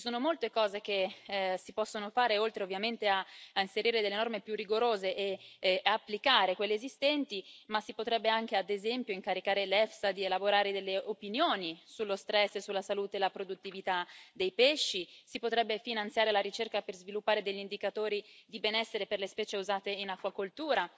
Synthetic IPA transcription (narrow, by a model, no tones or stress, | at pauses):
t͡ʃisoːnomolt̪ekɔːzekesipɔsːonofaːɾeolt̪ɾeovːjament̪eainseɾiːɾed̪elːenɔrmepjurːiɡoɾoːzeʔeapːlikaːɾekwelːeːzist̪ɛnt̪imasːipot̪ɾɛbːeaŋk̟ead̪ezɛmpjoiŋkaɾikaːɾelɛfsad̪ielaboɾaːɾed̪elːeʔopinjoːnisulːost̪ɾɛsːesːulːasaluːt̪elapɾod̪ut̪ːivit̪ad̪ejpeʃːisipot̪ɾɛbːefinant̪sjaːɾelaɾit͡ʃerkaperzvilupːaːɾed̪eʎːind̪ikat̪oːɾid̪ibenɛsːeɾeperlespɛːt͡ʃeuzaːt̪einakːwakolt̪uːɾa